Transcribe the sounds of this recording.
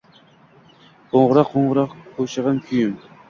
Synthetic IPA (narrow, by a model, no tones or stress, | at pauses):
oɴʁʊɾɑqʰːoɴʁʊɾɑqqʰːoʃɑʁɑnkʲʰyjym